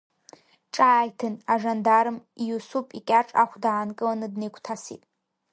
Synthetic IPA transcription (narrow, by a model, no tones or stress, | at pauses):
ʈ͡ʂʼaːjtʰɨnaʐandaɾɨmijusupʼikʲʼaʈ͡ʂʼa̰χʷdaːnkʼɨlanɨdnejkʷʰtʰasḭtʼ